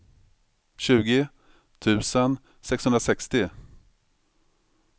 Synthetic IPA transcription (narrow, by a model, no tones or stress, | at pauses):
ɕʉ̟ːɡɪ | t̪ʰʉ̟ːsən | sɛkshɵnɾasɛkst̪ɪ